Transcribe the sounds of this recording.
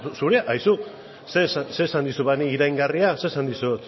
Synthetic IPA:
suɾeʔajsu | sesase̞ːsand̪isuβaniiɾajŋɡariase̞ːsand̪isuet̪

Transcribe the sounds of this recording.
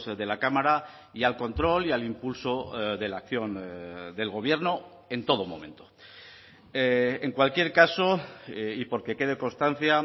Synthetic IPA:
sðe̞lakamaɾa | ialko̞nt̪ɾo̞lialimpulso̞ðe̞lakθjo̞nd̪e̞lɣo̞β̞je̞ɾno̞ | e̞nt̪o̞ð̞omõ̞̰mẽ̞nt̪o̞̥ | eŋkwalkje̞ɾkaso̞ipo̞ɾke̞ke̞ð̞e̞ko̞nst̪an̟θja

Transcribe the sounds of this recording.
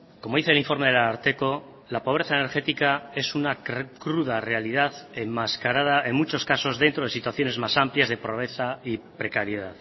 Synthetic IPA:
ko̞moðiθeliɱfo̞ɾme̞ð̞elaaɾt̪e̞ko̞ | lapo̞β̞ɾe̞θaene̞ɾxe̞t̪ikae̞sunakɾuðare̞alið̞aθemmaskaɾaðaʔeŋmut͡ʃo̞skaso̞zðe̞nt̪ɾo̞ð̞e̞sit̪waθjo̞ne̞zmasampljazðe̞pɾo̞βɾe̞θaipɾe̞kaɾjeðað

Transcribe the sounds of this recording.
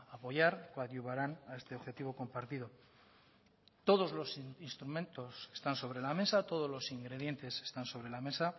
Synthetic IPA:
apo̞jaɾkoaðjuβaɾanae̞st̪e̞oxe̞t̪iβ̞o̞ko̞mpaɾt̪iðo̞ | t̪o̞ð̞o̞zlo̞sinst̪ɾume̞nt̪o̞se̞̥st̪anso̞β̞ɾe̞lame̞sat̪o̞ð̞o̞zlo̞siŋɡɾe̞ð̞je̞nt̪e̞se̞̥st̪anso̞βɾe̞lame̞sa

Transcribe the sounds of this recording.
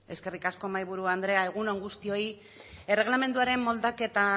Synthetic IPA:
e̞ske̞rikasko̞majβ̞uɾuand̪ɾe̞ae̞ɣ̞unoŋɡust̪io̞i | e̞re̞ɣ̞lame̞nd̪uaɾe̞mːo̞ld̪ake̞t̪a

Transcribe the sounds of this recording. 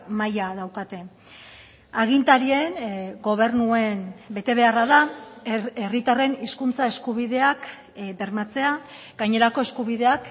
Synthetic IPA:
majaðawkat̪e̞ | aɣ̞int̪aɾienɡo̞β̞e̞ɾnue̞nbe̞t̪e̞β̞e̞araða | erit̪are̞niskunt͡sae̞skuβ̞iðe̞ak | be̞rmat͡se̞a | ɡajɲe̞ɾako̞e̞skuβiðe̞ak

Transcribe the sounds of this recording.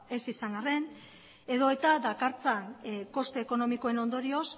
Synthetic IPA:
e̞sisaŋɡare̞n | e̞ðo̞e̞t̪ad̪akaɾt͡sanko̞st̪eːko̞no̞miko̞e̞no̞nd̪o̞ɾio̞s

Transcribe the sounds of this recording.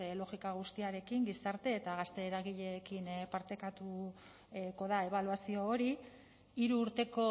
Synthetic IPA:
elo̞ɣikaɣ̞ust̪iaɾe̞kiŋɡisaɾt̪e̞ːt̪aɣast̪e̞ːɾaɣiʎe̞kinpaɾt̪e̞kat̪u | ko̞ðae̞β̞aluasio̞ːɾi | iɾuːɾt̪e̞ko̞

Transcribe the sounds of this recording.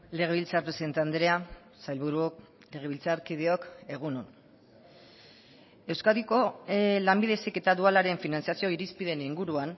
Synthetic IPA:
le̞ɣeβilt͡saɾpɾesiðet̪and̪ɾea | sajlβuɾuok | le̞ɣ̞e̞βilt͡saɾkið̞eo̞ke̞ɣ̞unon | e̞wskaðiko̞lambiðe̞seke̞t̪aðualaɾe̞ɱfinansijasio̞iɾispiðe̞niŋɡuɾuan

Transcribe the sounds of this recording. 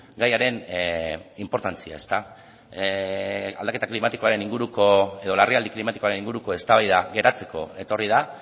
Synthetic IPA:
ɡajaɾe̞n | impo̞ɾt̪ant͡sia̰e̞st̪a | ald̪ake̞t̪aklimat̪iko̞aɾe̞niŋɡuɾuko̞e̞ðo̞lariald̪iklimat̪iko̞aɾe̞niŋɡuɾuko̞e̞st̪aβajðaɡe̞ɾat͡se̞ko̞e̞t̪o̞rið̞a

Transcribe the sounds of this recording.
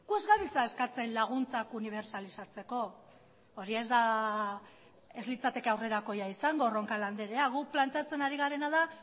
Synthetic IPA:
ɡ̥ue̞zɣaβit͡sae̞skat͡se̞nlaɣ̞unt͡sakuniβ̞e̞ɾsalisat͡se̞ko̞ː | ɾiezd̪a | e̞zlit͡sat̪e̞ke̞awre̞ɾako̞jaisaŋɡo̞ro̞ŋkaland̪e̞ɾe̞aɣuplant̪e̞at͡se̞naɾiɣ̞aɾe̞nað̞a

